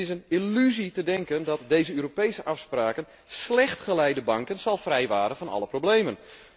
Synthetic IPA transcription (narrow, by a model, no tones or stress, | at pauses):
ɪsənilyzitədɛŋkəndɔtdejzəøːɾopejsəʔafspraːkən | slɛxtχəlɛjdəbɑŋkənsɑlˠfrɛjʋaːɾənvɔnɑ̰ləproblejmən